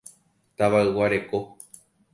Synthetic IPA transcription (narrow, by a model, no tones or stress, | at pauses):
t̪aʋaɨwaɾe̞ko̞